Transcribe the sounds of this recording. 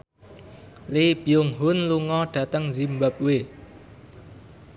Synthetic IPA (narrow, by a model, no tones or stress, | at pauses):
lib̥iʊŋɦʊnluŋɔɖ̥ä̤t̪əŋzimbap̚we